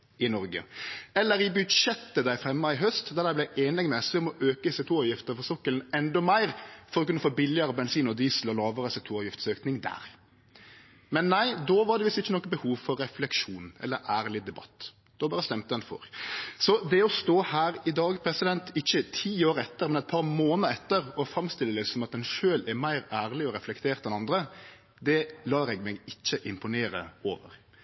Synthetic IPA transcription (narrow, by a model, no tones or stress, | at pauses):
ɪnɔɾɡə̰ɛlːəɾɪbʉd̪ʂɛt̪ːəd̪æɪfɾɛmːɑɪɦœst̪d̪ɑd̪æɪblæɪʔeːnɛɡmɛsɪɔmɔʔøːkəɪsɛk̚t̪ʰuːɑʋjɪft̪əɾfɔsɔkːəlnɛnd̪ɔmæɪʁfɔɾɔkʰʉnːəfoːbɪlɪəɾəbɛnsiːnɔd̪iːsəlɔlɑːʋəɾəsɛk̚t̪ʰuːɑʋjɪft̪søːknɪŋd̪æ̰ːɾ | mɛnːæɪd̪ɔʋɑɾɖ̪ɛʋɪsɪçːənɔkːəbəhuːʋfɔɾːɛflɛkʃuːnɛ̰lːəɾʔæːɾlɪd̪ɛbɑ̰t̪ː | d̪̥ɔbɑːɾəst̪ɛmt̪əɛnfɔ̰ɾsɔd̪ɛɔst̪oːhæːɾɪd̪ɑːɡpʰɾɛsɪd̪ɛnt̪ɪçːət̪ʰiːoːɾɛt̪ːəɾmɛnɛɪt̪̚pʰɑɾmoːnəəɛt̪ːəɾɔfɾɑmst̪ɪlːəlɪsɔmɑt̪̚d̪ɛnʃøːlæɾmæɪɾæːɾlɪɔɾɛflɛkt̪ʰeːɾt̪ɛnɑnd̪ɾə | d̪ɛlɑːɾɛɡmɛɡɪt͡ʃːəʔɪmpʊneːɾəoːʋə̰ɾ